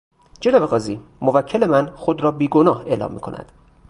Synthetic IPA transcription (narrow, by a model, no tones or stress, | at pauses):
d͡ʒenɒːbeɣɒːziːmovæcʰːele̞mænxod̪ɾɒːbiːɡonɒːhe̞lɒ̰ːmːḭːkʰo̞̰næ̰d̪̥